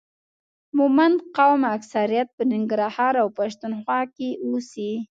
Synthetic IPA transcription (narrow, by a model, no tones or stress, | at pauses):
mumand̪qawmaksaɾijat̪̚pənɪŋɡɾɑhɑɾawpaʃt̪unxwɑkeusi